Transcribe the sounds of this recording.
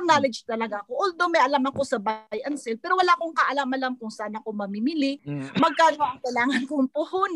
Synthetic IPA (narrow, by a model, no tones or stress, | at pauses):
ŋnaːlɛd͡ʒt̪ɐlɐɡaɐkoʔʊld̪omɛʔɐlamɐko̞sɐbajʔɐnsɛlpɛːɾowɐlaːʔɐkoŋkɐʔɐlamʔɐlamkʊŋsaːnɐkomɐmimɪlɪmɐɡ̚kaːɡ̪oʔɐŋkɐjlaːŋɐnkoŋpʊhon